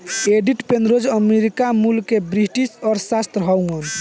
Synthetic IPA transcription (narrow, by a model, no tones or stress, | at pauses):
eɖiʈpenɾod͡ʒəmeɾikamulkebɾiʈisɔːɾsast̪ɾəɦɔwŋən